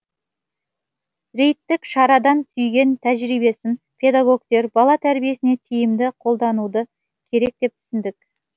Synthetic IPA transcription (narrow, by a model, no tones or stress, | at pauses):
ɾe̞jt̪ːɪkʃɑɾɑd̪ɑnt̪ʰʏjɡʲe̞nt̪ʰæʒɾijbe̞sɪn | pʲʰe̞d̪aɡo̞kt̪e̞ɾbɑlˠɑt̪ʰæɾbije̞sɪne̞t̪ʰijɪmd̪ɪqʰo̞lˠd̪ɑnud̪ə | kʲʰe̞ɾe̞k̚t̪e̞p̚t̪ʰʏ̥sɪnd̪ɪk